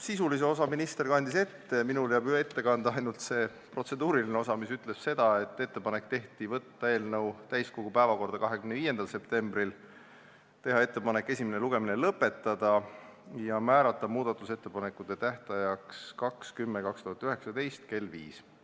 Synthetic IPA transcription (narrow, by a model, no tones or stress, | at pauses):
sisulis̬e̞o̞s̬ɑminist̪e̞rkɑnʲd̪ise̞t̪ːe̞minuljæːbyeet̪ːe̞kɑnd̪̥ɑɑjnult̪se̞ | pro̞t̪se̞d̪uːɾilineo̞sɑmisyt̪ˑle̞sse̞d̪̥ɑe̞t̪ːe̞t̪ːe̞pɑnekt̪e̞ht̪ivɤt̪ːɑe̞ːlnɤwt̪æjskoɡ̥upæevɑko̞rd̪̥ɑkɑɦekymneviːje̞nd̪̥ɑlse̞pt̪e̞mbril | t̪e̞ɦɑe̞t̪ːe̞pɑnekːˑe̞sʲimeneluɡ̥e̞minelɤpːˑe̞t̪ˑːɑd̪̥ɑjɑmæːɾɑt̪ːˑɑmuːd̪̥ɑt̪ːˑuse̞t̪ːe̞pɑnekːˑut̪ːˑe̞t̪æht̪ɑjɑkskɑkskymːekɑkst̪uhɑt̪ːˑyɦe̞ksɑd̪e̞jst̪ke̞lːvḭːs